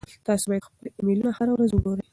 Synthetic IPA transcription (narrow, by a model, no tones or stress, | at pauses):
t̪ɑsobɑjd̪xpəlemelunahaɾawɾazʊɡoɾə